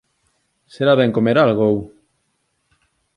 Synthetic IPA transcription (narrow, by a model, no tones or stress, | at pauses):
seɾaβɛŋkomeɾalɣow